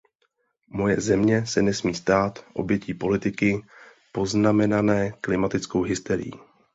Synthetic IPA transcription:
mo̞jɛzɛmɲɛsɛnɛsmiːst̪aːt̪ʔo̞̰bjɛciːpo̞lɪt̪ɪkɪ | po̞znamɛnanɛːklɪmat̪ɪt͡skowɦɪst̪ɛɾɪ̰jḭː

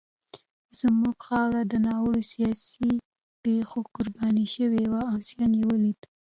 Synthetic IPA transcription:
z̥muɡxɑwɾad̪ənɑwəɽosijɑsi | pexokʊɾbɑniʃəwewaasijɑnjewəlid̪

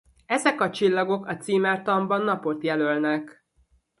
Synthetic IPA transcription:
ɛzɛkɒt͡ʃilːɒɡo̞kɒt̪siːmɛrt̪ɒmbɒnːɒpo̞t̪jɛlølnɛk

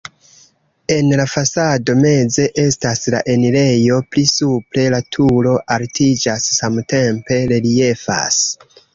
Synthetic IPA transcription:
e̞nlafasado̞me̞ze̞ʔe̞stasla̰ʔe̞nile̞jo̞plisupɾe̞latʰulo̞ʔaltʰid͡ʒasːamte̞mpe̞ɾe̞lie̞fa̰s

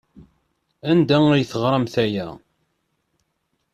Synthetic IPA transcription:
ænd̪æŋəjθəʁɾˤəmθæjæ

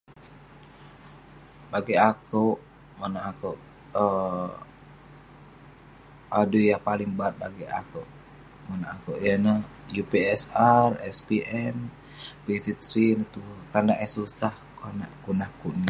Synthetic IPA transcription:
baɡiakow | manaako | ə | adujapaliŋbaat̪̚ba̰ɡia̰ko | manaakoʔjana | jupeɛsarɛspiʔɛm | pisit̪ɾinit̪ukandaʔɛsusahkanakunahkuʔni

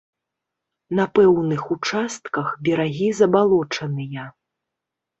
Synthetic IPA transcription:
nɐpɛwnɨxut͡ʂast̪kɐxbʲɛɾaɣʲizɐbalˠɔt͡ʂɐnɨjɐ

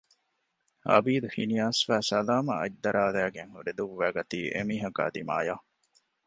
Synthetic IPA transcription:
hɐ̰biːd̪uhinijaːsfæːsɐlaːmɐ̰ɐ̰ɟ̚d̪ɐɾʔaːlæːɡeŋhuɾed̪uʋːæːɡɐt̪iːʔḛmiːɦɐka̰ːd̪ima̰ːjaː

